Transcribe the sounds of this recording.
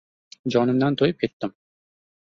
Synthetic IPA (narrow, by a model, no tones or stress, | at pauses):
d͡ʒɒnɯmd̪ɑnt̪ʰojup̚kʲet̪ːɪm